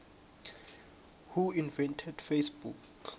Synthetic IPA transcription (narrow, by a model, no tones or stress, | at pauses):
huinvɛntʰɛd̥fesbṵk